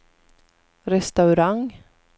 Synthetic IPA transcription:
ɾɛst̪aʉɾaŋ

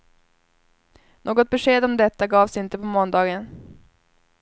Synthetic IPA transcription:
nʔoːɡɔt̪̚bɛʂeːd̪ɔmd̪ɛt̪ːaɡɑːvsɪnt̪əpʰɔmɔnd̪ɑːɡən

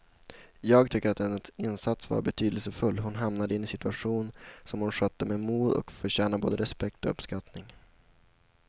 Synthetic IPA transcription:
jɑːɡt̪ʰʏkːəɾat̪̚d̪ɛnːət̪sɪnsat̪sva̰ɾbɛt̪ʰyːd̪əlsəfɵlːɦʊnɦamnad̪əɪnːɪsɪt̪ɵaɧuːnsɔmhʊnɧœt̪ːəmɛmuːd̪ɔ̰kfœɕɛːnabo̰ːd̪əɾɛspɛk̚t̪ɔɵ̰pskat̪nɪŋ

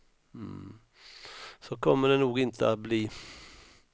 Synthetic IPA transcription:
sɔkʰɔmːəɖɛnuːɡɪnt̪ʰəat̪̚bliː

